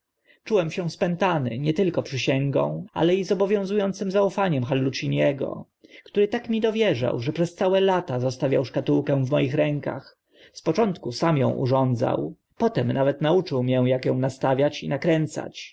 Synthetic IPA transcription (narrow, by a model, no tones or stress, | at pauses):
t͡ʂuwɛmɕɛ̃spɛnt̪anɘ̰ɲɛt̪ɘlkɔpʂɘɕɛŋɡɔ̰̃w̃a̰lɛizɔbɔvʲjɔ̃w̃zujɔnt̪sɘmzaufaɲɛmxalːut͡ɕiɲɛɡɔ̰ | kt̪uɾɘt̪akmʲid̪ɔvʲjɛʐa̰wʐɛpʂɛst̪sawɛlat̪azɔst̪avʲjawʂkat̪uwkɛ̃w̃vmɔjixɾɛŋka̰x | spɔt͡ʂɔnt̪kusamjɔ̰̃w̃ʔṵʐɔnd̪za̰w | pɔt̪ɛmnavɛt̪naut͡ʂɘwmjɛw̃jakjɔ̃w̃nast̪avʲjat͡ɕinakɾɛnt̪sa̰t͡ɕ